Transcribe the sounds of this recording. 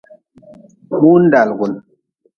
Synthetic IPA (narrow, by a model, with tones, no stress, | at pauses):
mu˦n˦da˨lɡu˨n